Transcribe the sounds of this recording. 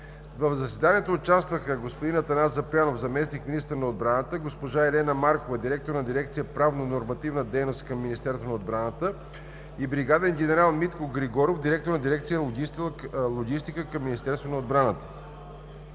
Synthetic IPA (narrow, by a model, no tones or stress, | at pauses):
vəvzɐsɛd̪aniɛt̪oːt͡ʃast̪vəxəɡospod̪inət̪ɐnazɐplʲjanofzɐmɛsnikminist̪əɾnɐod̪̚bɾanət̪əɡospoʒaɛlɛnəmaɾkovɐd̪iɾɛk̚t̪oɾnɐd̪iɾɛkt̪sijəpɾavnonoɾmɐt̪ivnəd̪ɛjnost̪kɐmːinist̪ɛɾst̪vonɐod̪bɾanət̪ə | ibɾiɡad̪ɛnɡʲɛnɛɾalˠmit̪koɡɾiɡɔɾofd̪iɾɛk̚t̪oɾnɐd̪iɾɛkt̪sijəlˠoɡʲislˠoɡʲist̪ikəkəmːinʲist̪ɛɾst̪vonɐod̪̚bɾanət̪ə̥